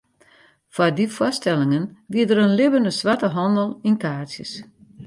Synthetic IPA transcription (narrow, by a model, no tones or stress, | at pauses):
fadifɔstɛlɪŋənʋiətəɾənlɪbəndəsʋatəɦɔndəlˠinkaːsjə̰s